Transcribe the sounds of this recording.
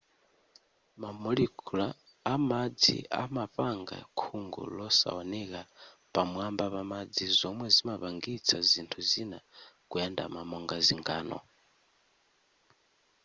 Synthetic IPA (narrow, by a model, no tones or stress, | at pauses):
mamɔlikʰulaː | mad͡zḭa̰maɸaŋɡa̰kʰuŋɡṵlɔsa̰wanɛka | pamwambapamad͡zizɔmwɛzimapaŋɡit͡sʰazintʰuzinakujɛnda̰mamɔŋɡaziŋɡaːnɔ̰